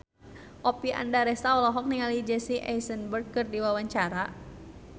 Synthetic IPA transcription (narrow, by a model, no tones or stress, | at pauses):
ʔɔpiʔa̰ndaɾɛst̪aɔlɔɦɔk̚niŋalid͡ʒɛsiʔɛjsənbərkərdiwawaɲt͡ʃaɾa